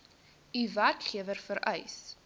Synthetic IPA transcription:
iværkχiəvərfəɾɐjs

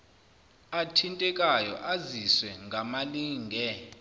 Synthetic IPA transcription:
atʰintʼɛkʼajɔ̰ʔaziswɛŋʱamaliːŋɡʱɛ

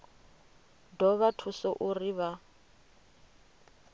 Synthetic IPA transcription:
dɔβatʰusɔʔuriβa

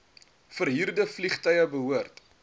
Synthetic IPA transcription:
fərɦirdəfliχtœjəbəɦuərt

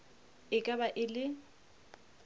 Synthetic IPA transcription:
ɪkʼabaʔɪlɪ

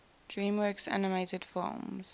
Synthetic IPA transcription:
d̥ɹĩːmwɜˑksa̰nɪmeɪtəd̥fɔ̰ːmz̥

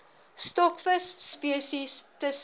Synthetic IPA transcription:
stɔkfəsːpiəsistəs

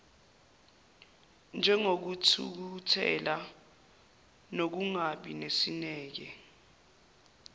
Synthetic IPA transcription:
nd͡ʒʱɛŋok̬ut͡sʰṵk̬utʰɛ̰la | nok̬uŋaɓinesinɛːk̬ɛ

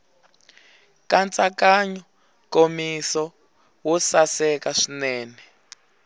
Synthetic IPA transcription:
kant͡sakaɲɔ | komisɔ | wɔsasɛkaʂinɛːnɛ

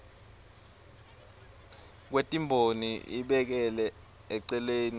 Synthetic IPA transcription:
k̬wetʼimbʱoniiɓɛk̬ɛlɛ | ɛǀɛleːni

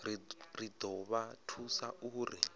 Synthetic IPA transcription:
rrid̪ɔβatʰusaʔuːri

